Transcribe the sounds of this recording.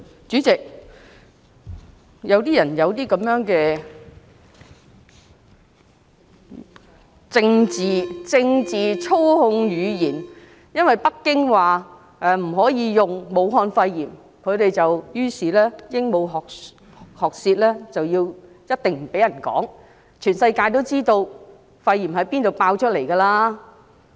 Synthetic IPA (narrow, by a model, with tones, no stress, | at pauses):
t͡ʃyː˨˥t͡sɪ˨k̚ | jɐ˨˧wt̪iː˥jɐ˨˩njɐ˨˧wt̪iː˥kɐ˨˥mjœː˨˥ŋkɛː˧ | t͡sɪ˧ŋt͡siː˨t͡sɪ˧ŋt͡siː˨t͡sʰo˥whʊ˧ŋɥyː˨˧jiː˨˩n | jɐ˥nwɐ˨˩jpɐ˥kːɪ˥ŋwaː˨˩ | ɛː˨˩m̩˨˩ɦɔː˨˥jiː˨˧jʊ˨˩ŋmo˨˧wɦɔː˧nfɐ˧jːiː˨˩m | kʰɵ˨˧ɥt̪e˨jt͡sɐ˨wjyː˥siː˨lɛː˥jɪ˥ŋmo˨˧wɦɔː˨ | hɔː˨k̚siː˧t̚lɛː˥t͡sɐ˨wjiː˧w | jɐ˥t̚t̪ɪ˨ŋm̩˨˩pe˨˥jɐ˨˩nkɔ̰ː˨˥ŋ | t͡ʃʰyː˨˩nsɐ˧jkaː˧jt̪̬o˥wt͡siː˥t̪o˧w | fɐ˧jːiː˨˩mhɐ˨˥jpiː˥nt̪o˨wpaː˧wt͡ʃʰɵ˥t̚le˨˩jkɐː˧laː˧